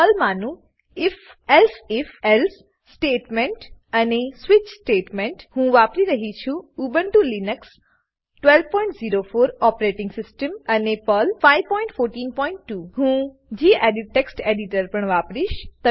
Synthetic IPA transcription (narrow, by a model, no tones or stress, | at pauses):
pəlmanũ | ɪf | elsɪfɛls | sʈeːʈmeɳʈənesʋɪt͡ʃsʈeːʈmẽɳʈhũʋapɾiɾəɦit͡ʃʰũubəɳʈulinəks | ʈʋelʋpɔ̃iɳʈziɾofoːɾɔpɾeʈɪ̃ŋɡsɪsʈəmənepəlfaiʋpɔiɳʈfoɾʈiːnpɔiɳʈːuːɦũ | d͡ʒiːʔeɖiʈːeksʈeɖiʈəɾpəɳʋapɾiʃt̪ə